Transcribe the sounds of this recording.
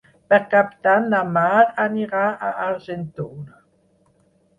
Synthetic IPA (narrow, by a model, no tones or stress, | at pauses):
pɛʁkapt̪anːamaɾaniʁaaʔaʁʒɛnt̪ona